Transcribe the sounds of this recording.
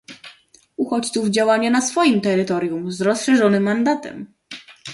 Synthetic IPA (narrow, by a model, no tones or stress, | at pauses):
uxɔt͡ɕt̪suvd͡ʑawaɲɛnasfɔjimt̪ɛɾɘt̪ɔɾʲjumzɾɔsʂɛʐɔnɘmːand̪at̪ɛ̰m